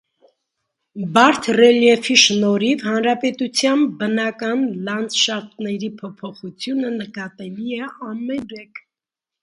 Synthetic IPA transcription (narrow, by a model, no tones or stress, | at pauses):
bɑɾt̪ʰrɛljɛfiʃnɔɾivhɑnɾɑpɛt̪ut͡sʰjɑnbənɑkɑnlɑnd͡zʃɑt̪nɛɾipʰɔpʰɔχut͡sʰjunənəkɑt̪ɛliɛɑmɛɾɛkʰ